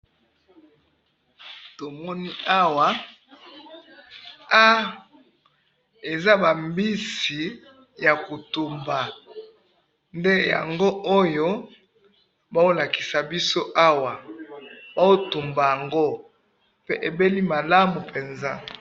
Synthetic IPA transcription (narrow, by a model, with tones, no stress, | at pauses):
to˨mɔ˦ni˦a˦wa˨ | a˦ | e˨za˦ba˨mbi˦si˨ | ja˨ko˨tu˨mba˨ | nde˦ja̰˨ŋɡo˦o˦jo˦ | ba˦o˦la˨ki̥˨sa˨bi˦so˦ʔa˦wa˨ | ba˦o˦tu˨mba˨ja˨ŋɡo˦ | pe˦ʔe˨be˦li˦ma˨la˦mu˨pe˨nza˦